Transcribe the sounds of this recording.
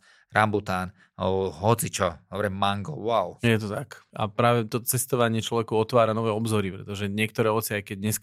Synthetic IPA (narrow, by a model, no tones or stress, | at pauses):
ɾambut̪aːn | ɦɔt͡sit͡ʃɔɔbɾɛmːaŋɡɔ̰waʊjɛt̪̬ɔt̪aka̰pɾaːʋɛt̪ɔt͡sɛst̪ɔʋaɲɪɛt͡ʃlɔʋɛkɔɔt̪ʋaːɾanɔʋɛːɔbzɔɾipɾɛt̪ɔʒɛɲɪɛkt̪ɔɾɛːɔt̪t͡sɪajkɛd̪ɲɛsk